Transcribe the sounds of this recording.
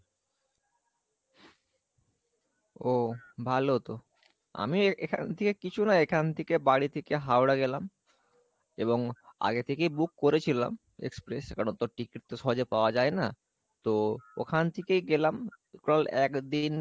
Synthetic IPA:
obʱalot̪o | a̰miekʰa̰nt̪ʰekekit͡ɕʰunaekʰant̪ʰekebaɽit̪ʰekeɦaoɽaɡelam | eβoŋa̰ɡet̪ʰekejbukːoɾet͡ɕʰila̰m | ḛkspɾeska̰ɽont̪oʈikiʈ̚t̪oʃɔɦod͡ʑepaoad͡ʑaena | t̪ookʰant̪ʰekejɡelam | kolɛkd̪in

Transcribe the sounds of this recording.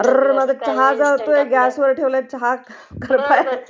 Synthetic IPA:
rməd̪ət͡ɕɦad͡zaʋt̪oeɡæsʋəɾʈʰeʋljat͡ɕɦa | kəɾpaj

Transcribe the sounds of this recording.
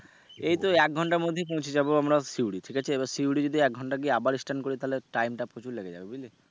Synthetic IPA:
ejt̪oɛk̚ɡʱɔɳʈaɾmod̪ʱːep̬õwt͡ɕʰied͡ʑaboamɾasiwɽiʈʰikat͡ɕʰeebasiwɽid͡ʑod̪ʱiɛk̚ɡʱɔɳʈaɡieabaɾisʈankoɾit̪aɦleʈajmʈapɾot͡ɕuɾlekʰḛa̰bebili

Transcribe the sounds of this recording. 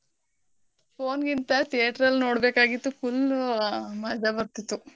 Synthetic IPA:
pʰoːnɡint̪ɐt̪ijɐʈɐɾɐlːno̞ːɽbeːkaːɡit̪ːufʰul | mɐd͡ʒabɐɾt̪it̪ːu

